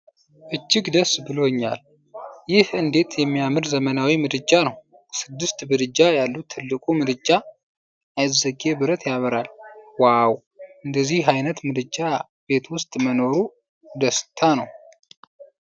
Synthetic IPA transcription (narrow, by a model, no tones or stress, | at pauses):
ʔɨt͡ʃːɪɡd̪əsbɨloɲːa̰l | jɪhʔɨnd̪e̞t̪jɛmːijamɨɾzəmənawimɨd̪ɨd͡ʒːanəw | sɨd̪ːɨst̪bɨd̪ɨd͡ʒajalːut̪ʰːɨlːɨkʼumɨd̪ɨd͡ʒːa | ʔajzəɡebɨɾət̪jaβɨɾalwaw | ʔɨnd̪əzːihɦajnət̪mɨd̪ɨd͡ʒːa | be̞t̪wʊst̪ʼməno̞ɾu | d̪əst̪ʰanəw